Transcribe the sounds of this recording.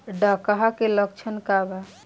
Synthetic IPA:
ɖakaɦakelək̚t͡ʃʰənkaba

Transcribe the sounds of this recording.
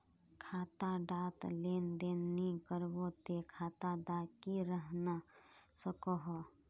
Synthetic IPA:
kʰaːt̪aɖaːt̪leːnd̪eːnnikəɾbot̪ekʰat̪aɖakiɾəɦnasəkoɦɔ

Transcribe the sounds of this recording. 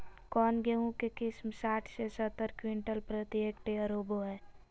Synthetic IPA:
kɔːnɡeɦũkekɪsmsaːʈʰsesət̪ːəɾkwɪɳʈəlpɾət̪jeːkʈeəɾoːboɦɛː

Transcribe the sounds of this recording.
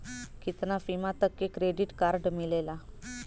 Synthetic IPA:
kit̪nafimat̪əkːekɾeɖiʈkaɾɖmilela

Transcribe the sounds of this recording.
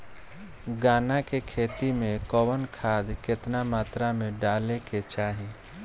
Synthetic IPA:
ɡaːnakekʰeːt̪imẽkɔwənkʰaːd̪kɪt̪namaːt̪ɾamẽɖaːleket͡ʃaːɦĩ

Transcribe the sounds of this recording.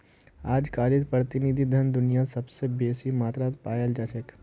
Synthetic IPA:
aːd͡ʒkaːɾɪt̪pɾət̪ɪnid̪ʱid̪ʱɐnd̪ʊnijasɐbsebeːsimaːt̪ɾaːt̪paːjəld͡ʒat͡ʃək

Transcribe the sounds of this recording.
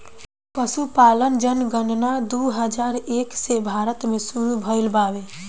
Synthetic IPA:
pəsupaːlənd͡ʒənɡəɳɖnad̪uɦəd͡ʒaːɾeːksebʱaːɾət̪mẽsuɾubʱəɪlbaːʋe

